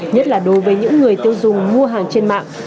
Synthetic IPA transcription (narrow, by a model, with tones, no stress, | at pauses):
ɲə˦˥t̚laː˨˩ɗo˨˦jvəː˨˦jɲɨ̰˧˥ŋːɨ˨˩əjt̪i˧əwzʊ˨˩ŋ͡mmu˧əɦaː˨˩ŋt͡ɕe˧nma̰ː˧˨ŋ